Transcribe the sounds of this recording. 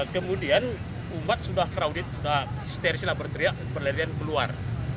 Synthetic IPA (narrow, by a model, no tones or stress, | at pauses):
kəmudian | umat̪̚sudahkɾaudɪt̪̚sudahist̪ɛrsilahbərt̪ɾiaʔpərləɾiankəlua̰r